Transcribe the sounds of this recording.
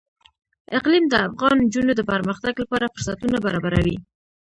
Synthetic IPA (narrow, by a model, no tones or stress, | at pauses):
ɪqlimd̪əafɣɑnd͡ʒunod̪əpəɾməxt̪aɡlapɑɾafʊɾsat̪unabaɾɑbaɾawi